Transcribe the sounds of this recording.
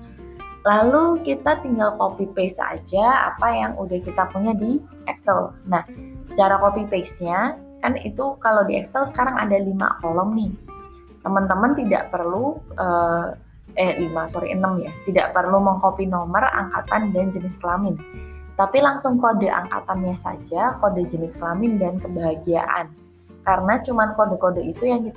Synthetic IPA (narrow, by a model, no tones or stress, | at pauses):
lalukit̪at̪iŋɡalkopipesa̰d͡ʒaa̰pajaŋudahkit̪apuɲadi | ʔɛksəlnaht͡ʃaɾakopipesɲa | kanḭt̪ukalawdiɛ̰ksəlsə̥kaɾaŋa̰dalima̰kolɔmnɪh | t̪əmənt̪əmənt̪ida̰ʔpərluʔəː | əʔimasoɾḭʔə̰nəmjat̪idaʔpərluməŋkopinɔməra̰ŋkat̪andand͡ʒənɪskəlamɪn | t̪apilaŋsʊŋkodəa̰ŋka̰t̪anjasa̰d͡ʒakodəd͡ʒənɪskəlamɪndankəbaɦaɡia̰ʔa̰n | kaɾənat͡ʃumankodəkodəit̪ujaŋki